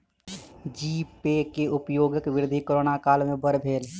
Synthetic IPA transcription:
d͡ʒiːpekeʊpjoːɡəkʋɪɾɪd̪ʱikəɾoːnakaːlmẽbəɾbʱeːl

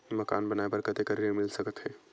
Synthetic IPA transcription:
mɐkaːnbɐnaːebɐɾkət̪ekəɾiɾemɪlsəkət̪ɦɛː

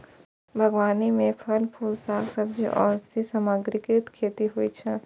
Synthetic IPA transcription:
bʱɐɡʋaːnimẽpʰɐlpʰuːlsaːksɐb̚d͡ʒḭʔɔ̰ːst̪ʰisɐmaɡɾɪkɾɪt̪kʰeːt̪iɦuit͡ʃʰɛ

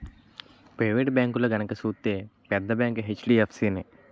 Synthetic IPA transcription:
pɾɐjʋeːʈbʲjaːŋkulɐɡɐnɐkɐsuːt̪ːeːpɛd̪ːɐbjaːŋkɦet͡ʃːɖiɐpʰsiːne

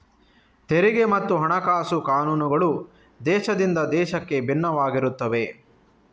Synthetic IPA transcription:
t̪eɾiɡe̞mɐt̪ːuɦɐɳɐkaːsukaːnuːnuɡɐɭu | d̪ɛːʃɐd̪ind̪ɐd̪ɛːʃɐkːe̞bʱinːɐʋaːɡiɾut̪ːɐʋe̞

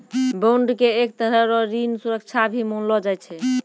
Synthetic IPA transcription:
boɳɖkeek̚t̪əɾəɾɔɾinsuɾək̚t͡ʃʰabʱimonlɔd͡ʒajt͡ʃʰɛ

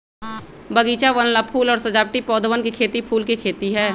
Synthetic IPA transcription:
bəɡiːt͡ʃaʋənlapʰuːlɔːɾsəd͡ʒaːb̚ʈipɔːd̪ʱəʋənkekʰeːt̪ipʰuːlkekʰeːt̪iɦɛː

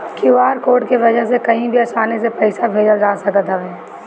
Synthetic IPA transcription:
kiʋaːɾkoːʈkeʋɐd͡ʒəɦsekɐɦĩbʱiɐsaːnes̬epɐɪsabʱeːd͡ʒəld͡ʒaːsɐkət̪ɦaɦɛː

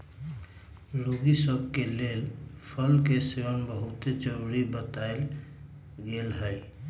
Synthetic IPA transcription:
ɾoɡisəbʱkelelpʰəlkeseənbəɦut̪ed͡ʒəɾuɾibət̪ael | ɡelɦəj

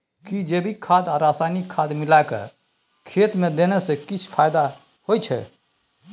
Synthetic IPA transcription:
kid͡ʒebʱikʰad̪aɾasanikʰːad̪milakə̰ | kʰet̪med̪enɛsẽkit͡ʃʰpʰajd̪a | hojt͡ʃʰɛ̰

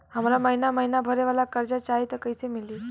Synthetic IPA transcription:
ɦam̤laməɦinaməɦinabʱəɾeʋalakəɾd͡ʑat͡ɕait̪əkəjt͡semiliː

